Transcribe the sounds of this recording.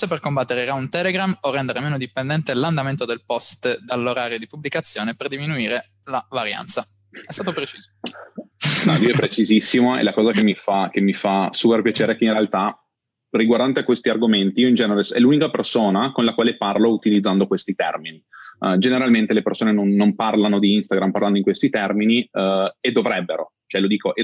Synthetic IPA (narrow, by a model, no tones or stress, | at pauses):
seperkombat̪ːeɾeɾaunt̪ɛleɡɾamorːɛnd̪eɾemeːnod̪ipend̪ɛnt̪eland̪ament̪od̪elpɔst̪d̪alːoɾaːɾjod̪ipublikat̪sːjoːneperd̪iminuiːɾe | lavaɾja̰nt̪sa | ɛst̪aːt̪opɾet͡ʃiːzo | mavioɛpɾet͡ʃizisːimoɛ̰lakɔːzakemːifakemːifasuːperpjat͡ʃeːɾeɛkeinrɾealt̪a | riɡward̪ant̪eakwest̪iarɡoment̪iiːoind͡ʒɛːnovesɛ̰lunikapersoːnakonlakwaːleparlout̪ilid̪zːand̪okwest̪it̪ɛ̰rminid͡ʒeneɾalment̪elepersoːnenonːomparlanod̪iinst̪aɡɾamparland̪oiŋkwest̪it̪ɛrminied̪ːovɾɛbːeɾo̰ | t͡ʃoɛlod̪iːkoʔe